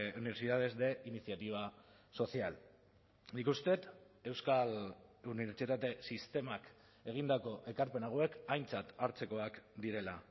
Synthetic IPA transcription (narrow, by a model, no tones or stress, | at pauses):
uniβeɾsiðað̞e̞zd̪e̞ʔinisjat̪iβ̞a | so̞sial | nikust̪e̞t̪ | e̞wskaluniβe̞ɾt͡sit̪at̪e̞sist̪e̞mak | e̞ɣ̞ind̪ako̞ʔe̞kaɾpe̞naɣ̞oe̞kajnt͡sat̪aɾt͡se̞ko̞akd̪iɾe̞la